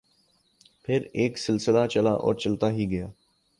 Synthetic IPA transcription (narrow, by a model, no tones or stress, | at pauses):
pʰɪɾeːksɪlsɪlat͡ʃɐlaʔɔ̰ːɾt͡ʃɐlt̪aɦiɡɐjaː